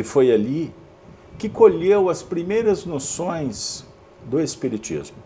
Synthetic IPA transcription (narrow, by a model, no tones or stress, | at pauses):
ɪfojali | kɪkoʎewɐspɾimejɾɐznosõj̃s | d̪ʊespiɾit͡ʃḭzmʊ